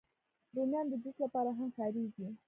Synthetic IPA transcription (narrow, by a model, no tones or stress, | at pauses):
ɾumjɑnd̪əd͡ʒuslapɑɾaɦamxɑɾiɡi